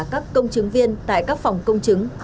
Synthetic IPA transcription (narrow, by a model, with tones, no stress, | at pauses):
kaː˦˥kːə˧wŋ͡mt͡ɕɨ˨˦ŋvi˧ənt̪a̰ː˧˨jkaː˦˥k̚fa˨˩wŋ͡mkə˧wŋ͡mt͡ɕɨ˨˦ŋ